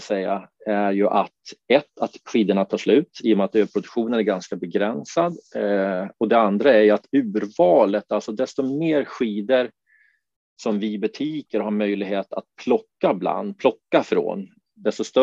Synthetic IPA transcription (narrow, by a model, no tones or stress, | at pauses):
sɛjːaæɾjɵʔat̪ɛt̪ːat̪ɧiːd̪əɳat̪ʰɑːʂlʉ̟ːt̪iːɔmɛat̪øːpʰɾʊd̪ɵkɧuːnənæɾɡanskabɛɡɾɛnsad̪ | ɔd̪ɛand̪ɾaæɾjat̪ʉ̟ːɾvɑːlət̪alsɔd̪ɛst̪ɔmeːɾɧiːd̪əɾ | sɔmvɪbɵt̪ʰiːkəɾhaɾmœjlɪɡɦeːt̪a̰t̪̚pʰlɔkːabla̰nd̪pʰlɔkːafɾo̰ːn | d̪ɛst̪ɔst̪